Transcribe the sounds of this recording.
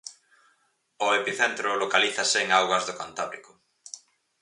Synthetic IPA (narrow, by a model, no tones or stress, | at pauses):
ʊepiθent̪ɾʊlokaliθɐseːŋawɣɐzðʊkant̪aβɾḭkʊ